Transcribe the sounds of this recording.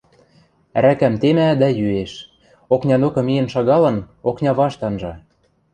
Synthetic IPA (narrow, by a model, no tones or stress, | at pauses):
ɾækæmt̪emæd̪æjyeʃ | oknʲɑnokɤ̆mijə̆nʃɑɣɑlɤ̆n | oknʲɑβɑʃt̪ɑnʒɑ